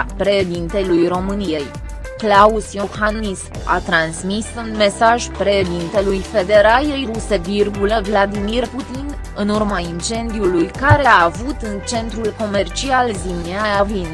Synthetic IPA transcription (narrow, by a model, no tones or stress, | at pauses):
pɾe̞d̪int̪elujro̞mɨnije̞j | klausjohanisa̰t̪ɾansmisunme̞saʒpɾe̞d̪int̪e̞lujfe̞d̪e̞ɾaje̞jruse̞virɡulevlad̪imirput̪in | ɨnurmaint͡ʃe̞nd̪iulujkaɾe̞avut̪ɨnt͡ʃe̞nt̪ɾulko̞me̞rt͡ʃialzimneajavin